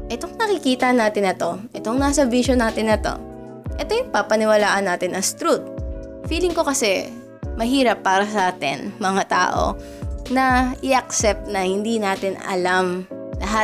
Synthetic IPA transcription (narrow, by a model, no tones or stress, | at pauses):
ʔɛt̪o̞ŋnɐkɪkiːt̪ɐnaːt̪ɪnːɐt̪o̞ʔɛt̪o̞ŋnaːsɐbiʃonaːt̪ɪnɐt̪o̞̰ | ʔɛt̪ojʊŋpɐpɐnɪwɐlaːʔɐnːaːt̪ɪnʔɐŋst̪ɾut̪̚fiːlɪŋko̞kɐsɛ | mɐɦiːɾɐpːaːɾɐsɐʔaːt̪ɪ̰nmɐŋat̪a̰ːʔo̞̰ | nɐʔɪʔɐk̚sɛp̚t̪̚nɐhɪnd̪inaːt̪ɪnɐ̰lamlɐɦa